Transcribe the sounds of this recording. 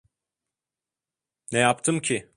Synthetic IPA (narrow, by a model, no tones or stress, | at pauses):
nɛjapt̪ʰɯmcʰi